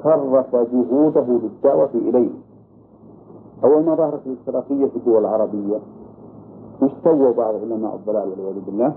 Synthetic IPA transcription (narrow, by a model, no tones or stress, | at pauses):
xɑrˤːɑfad͡ʒʊɦuːd̪aɦʊlɪd̪ːaʕwafiʔɪlajh | ʔawːalmɑðˤɑːhɾˤɑt̪alɪxt̪ɪɾɑːqɪjːafid̪ːʊwalɪlʕɑɾˤɑbɪjːa | mʊst̪awːawbɑʕðˤʕʊlama̰ːʔɨðˤːɑlaːlwalɪwaːdubɪlːaː